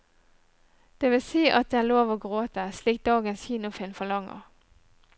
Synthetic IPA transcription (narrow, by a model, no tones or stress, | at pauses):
d̪̥eːʋɪlsiːʔɑt̪̚d̪eːæloːʋoːɡʁoːt̪əsliːk̚t̚d̪ɑːɡənsçiːnʊfɪlfɔɭɑŋə̰ʁ